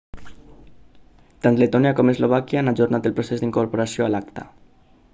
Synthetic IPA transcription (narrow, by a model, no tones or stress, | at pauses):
t̪ant̪let̪ɔniakomezloβ̞akjaanaʒurnat̪elpɾosezd̪iŋkoɾpoɾasijoalakt̪a̰